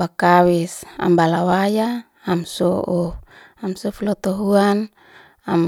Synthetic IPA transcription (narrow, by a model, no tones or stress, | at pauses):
bakawisa̰mbalawajaː | msɔʔɔ | amsɔflɔt̪ɔɦuan | am